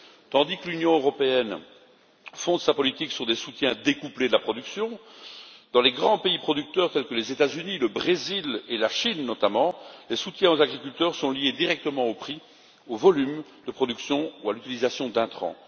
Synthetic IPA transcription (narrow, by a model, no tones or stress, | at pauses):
t̪ɑ̃d̪ikəlynjɔ̃øʁɔpeɛn | fɔ̃d̪sapɔlit̪iksyʁd̪esut̪jɛ̃d̪ekupled̪əlapχɔd̪yksjɔ̃ | d̪̥ɑ̃leɡʁɑ̃peipχɔd̪yk̚t̪œːʁt̪ɛlkəlezet̪azyniləbʁezilelaʃinːɔt̪amɑ̃lesut̪jɛ̃ozaɡʁikʲylt̪œʁsɔ̃lijed̪iʁɛk̚t̪əmɑ̃opχi | ovɔlymd̪əpχɔd̪yksjɔ̃ualyt̪ilizasjɔ̃d̪ɛ̃t̪χɑ̰̃